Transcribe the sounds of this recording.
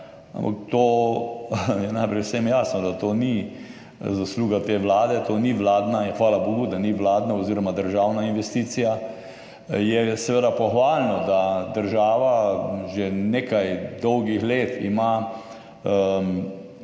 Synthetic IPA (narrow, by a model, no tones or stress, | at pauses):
a̰mpa̰kt̪oː | jɛnajpɾɛjwsemjaːsnɔd̪at̪oni | zasluːɡat̪eːʋlaːd̪ɛt̪oːniʋlaːd̪naixʋaːlaboːɡud̪aniʋlaːd̪naɔziːɾɔmad̪əɾʒaːwnainʋɛst̪iːsija | jɛsɛʋeːd̪apɔxʋaːlnɔd̪ad̪əɾʒaːʋaʒeneːkajd̪ɔwɡixleːt̪ḭma | ə